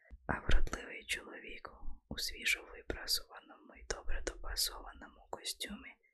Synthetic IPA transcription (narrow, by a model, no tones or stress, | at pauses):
ɐʋɾɔd̪lˠɪʋɪjt͡ʃɔlˠɔʋʲikusʲʋʲiʒɔʋɪpɾasɔʋɐnɔmʊid̪̥ɔbɾɛd̪ɔpɐsɔʋɐnɔmʊkɔsʲtʲumɪ